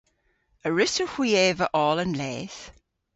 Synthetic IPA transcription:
əɹɪsəhwiɛːvəʔɔːlə̃nlɛːθ

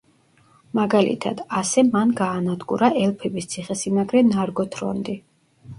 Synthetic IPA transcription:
maɡalḭt̪ʰa̰d̪̥asɛmanɡaːnad̪ɡṵɾaʔɛlˠpʰɛbist̪sʰiχɛsimaɡɾɛnaɾɡɔt̪ʰɾɔ̰nd̪i

